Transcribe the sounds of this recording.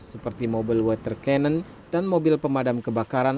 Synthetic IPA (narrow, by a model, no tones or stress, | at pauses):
səpərt̪imobilwət̪ərkɛnən | danmobɪlpəmadamkəbakaɾan